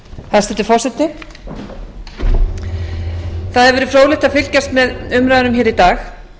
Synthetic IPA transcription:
θasɛt̪ɪfɔr̥sɛt̪ɪ | θaðhɛvɛɾʏfɾoːwlɪht̪aðfɪl̥cast̪mɛðʏmɾaðɾʏmçɛːɾit̪aːx

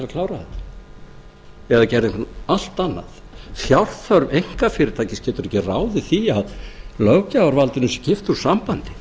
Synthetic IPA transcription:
lkʰlaːwɾaθɛt̪ḁ | ɛðacɛɾðɪŋkʰvaal̥t̪anːa̰ð | θjawr̥θœɾvejŋ̥kafɪːɾɪt̪ʰaːcɪscɛːt̪ʏɾɛhcːɪraːwðɪθiaðlœwcaːwaɾvalt̪ɪnʏsɛcɪft̪u̥sampant̪ɪ̥

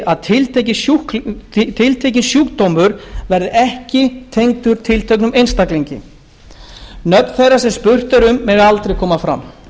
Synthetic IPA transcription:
ʔaðt̪ʰɪlt̪ejcɪsu | t̪ʰɪlt̪ʰejcɪnsjuːkt̪owmʏɾvɛɾðɪʔɛhcɪt̪ʰejŋkt̪ʏɾ̥t̪ʰɪlt̪ʰœɥknʏmejnst̪akleɲcɪ̰ | nœt̪n̥θejrasɛmspʏr̥t̪ʏɾʏmːɛɣalt̪ɾejkʰɔːmafɾa̰m

